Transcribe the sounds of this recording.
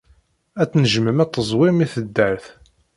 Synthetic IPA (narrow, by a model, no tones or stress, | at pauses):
æt͡sːnəʒməmæt̪ˤːəzˤwɪmiθəd̪ːəɾθ